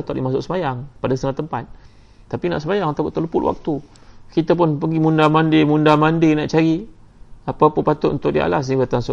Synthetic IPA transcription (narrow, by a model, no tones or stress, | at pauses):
t̪ɔʔ̪dḭmasʊʔ̚səmajaŋpadast̪əŋat̪əmpat̪̚ː | apina̰ʔsəmajaŋt̪akuʔt̪ələpʊt̪wa̰k̚t̪u | kit̪ap̬ʊnpəɡimundamandemundamandenaʔt͡ʃaɾi | apapʊpat̪ʊt̪unt̪ʊk̚dia̰la̰s̬nibat̪aŋsʊ